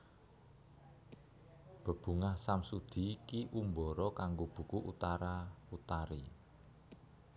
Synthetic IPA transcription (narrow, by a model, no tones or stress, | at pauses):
b̥ə̤b̥ṳŋahsamsud̪̥i̤kiʔumbɔɾɔkaŋɡob̥ṳkuʔṵt̪aɾaut̪aɾi